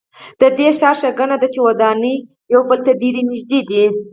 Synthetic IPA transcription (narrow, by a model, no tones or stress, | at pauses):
d̪əd̪eʃɑɾʃəɡənad̪at͡ʃewad̪ɑnə | jawbəlt̪aɖeɾenɪʒd̪ed̪i